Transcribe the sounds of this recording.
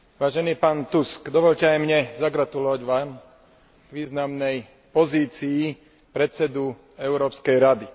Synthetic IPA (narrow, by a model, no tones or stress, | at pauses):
ʋaːʒɛniːpaːnt̪uskd̪ɔʋɔʎcɛajmɲɛzaɡɾat̪ulɔʋaɟʋaːm | ɡʋiːznamnɛj | pɔziːt͡siː | pɾɛt̪t͡sɛd̪u | ɛʊɾɔːpskɛjɾad̪i